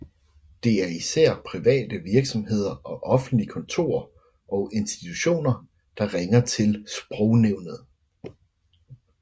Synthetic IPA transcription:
d̥e̝æɐisæɐ̰pʰʁiʋɛ̰ːd̥əʋiɐɡ̥sɒ̽mɦe̝ð̞̰ˠɐʔɒ̽ʔɒ̽fn̩d̥likʰɒ̽nt͡sʰo̝̰ːɐ̰ | ʔɒ̽ʊʔe̝nsd̥i̥t͡sʰuɕo̝̰ːnɐ | d̥ɑ̈ʁɛŋɐt͡sʰe̝lsb̥ʁɔʊneʊ̰nəð̩ˠ

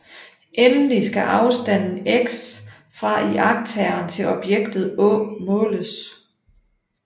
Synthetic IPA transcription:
ʔenlisɡ̥æʔɑ̈ʊsd̥æn̰n̩eɡ̥s | fʁɑ̈ʔiʔɑ̈ɡ̥̚t͡sʰæɐnt͡sʰe̝lɒ̽b̥jeɡ̥d̥ð̞̩ˠɔmɔ̽ːləs

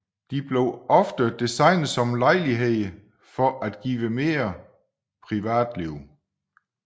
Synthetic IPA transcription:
d̥ib̥le̝ʊɒfd̥əd̥isɑ̈ɪnð̩ˠsɒ̽mlɑ̈ɪ̰liɦe̝ðˠ | fɒʔæd̥ɡ̥ḭːʋəme̝ːɐ | pʰʁiʋæ̰ːd̥liʊ̰

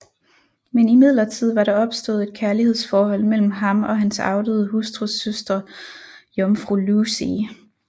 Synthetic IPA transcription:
menimið̞̰ˠlɐt͡sʰið̞̰ˠʋɑ̈ɾɑ̈ɒ̽b̥sd̥o̝ːð̩ˠe̝d̥̚kʰæɐlihe̝ð̞̰ˠsfɒːhɒ̽l̰mel̰m̩ɦɑ̈mɒ̽ɦænsɑ̈ʊd̥əð̩ˠɦusd̥ʁusøsd̥ʁɐ | jɒmfʁulusi

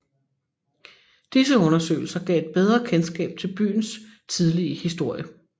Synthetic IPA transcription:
d̥isəɔ̽nɐsø̰ːɪl̩sɐɡ̥ɛ̰ːe̝d̥̚b̥eð̞ˠʁɐkʰensɡ̥ɛ̰ːb̥̚t͡sʰe̝lb̥y̰ːn̩st͡sʰið̞ˠliəhisd̥o̝ɐ̰jə

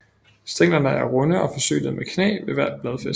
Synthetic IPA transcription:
sd̥eŋ̰lɐnəæɐʁɔ̽nəʔɒ̽fɒ̽sø̰ːnəð̩ˠmʔekʰnḛːʋe̝ʋæɐ̰d̥̚b̥lɛð̞ˠfes

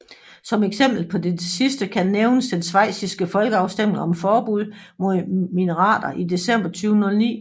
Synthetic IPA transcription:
sɒ̽meɡ̥sem̰b̥l̩pʰɒ̽desisd̥əkʰænːeʊnəsd̥ensʋɑ̈ɪ̰sisɡ̥əfɒ̽lɡ̥əɑ̈ʊsd̥em̰le̝ŋɒ̽mfɒːb̥uð̰ˠ | mominəʁɑ̰̈ːd̥ɐʔide̝sem̰b̥ɐt͡sʰyːʊnolnḭː

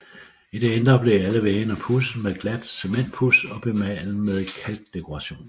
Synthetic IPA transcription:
id̥eend̥ʁɐb̥le̝æləʋeːnəpʰusmeðˠɡ̥læd̥se̝men̰d̥̚pʰusɒ̽b̥e̝mɛ̰lmeðˠkʰæld̥ːe̝kʰo̝ʁɑ̈ɕo̝̰ːn

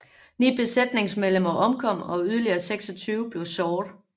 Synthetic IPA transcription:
nḭːb̥e̝sed̥ne̝ŋsmeðlemɐʔɒ̽mkʰɒ̽m̰ɒ̽yð̞ˠɐliɐːseɡ̥sɒt͡sʰyːʊb̥le̝ʊsɒːd̥

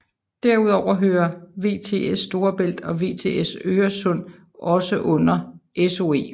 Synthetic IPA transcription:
d̥æɐ̰uð̞̰ˠɒʊ̰ɐɦøːɐʋe̝̰ːt͡sʰe̝̰ːesːd̥o̝ːɐb̥el̰d̥ɒ̽ʋe̝̰ːt͡sʰe̝̰ːesøːɐsɔ̽n̰ | ʔɒ̽səʔɔ̽n̰ɐʔeso̝e̝̰ː

